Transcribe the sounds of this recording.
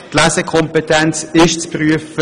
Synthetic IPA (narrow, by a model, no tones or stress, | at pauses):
tlæsekʰɔmpetʰɛnt͡sɪʃt͡spryəfə